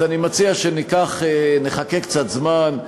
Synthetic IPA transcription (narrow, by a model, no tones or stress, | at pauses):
animat͡siaʃenikaχeneχake̞kt͡sat̪zman